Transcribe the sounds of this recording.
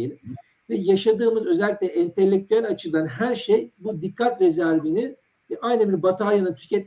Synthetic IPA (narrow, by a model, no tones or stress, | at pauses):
jlʲi | vɛjaʃad̪ɯːmɯzø̞zɛlʲːic̪̚ʲlʲɛʔɛnt̪ʰe̞lʲːec̚t̪ʰyælʲat͡ʃʰɯlˠanɦæɾʃejbud̪ikʰːat̪ɾezæɾvini | ɛʔajnɯbiɾbat̪ʰalˠjanɯt̪ʰy̥cʰɛt̪̚